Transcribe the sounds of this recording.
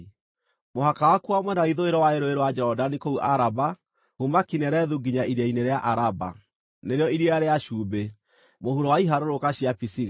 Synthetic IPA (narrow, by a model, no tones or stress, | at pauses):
moɦakawakuamwɛnaiðoeɾɔwaeɾoeɾowad͡ʒɛɾɔdanikouʔaɾaba | humakinɛɾɛðuɡiɲaiɾiaineɾeaʔaɾaba̰ | neɾeɔiɾieaɾeaʃuːbe | mohuɾowaiɦaɾoɾokaɕiapisiɣ